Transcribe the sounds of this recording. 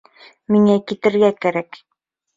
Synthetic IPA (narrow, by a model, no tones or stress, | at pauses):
miŋækit̪ɘ̆ɾɡækæɾæk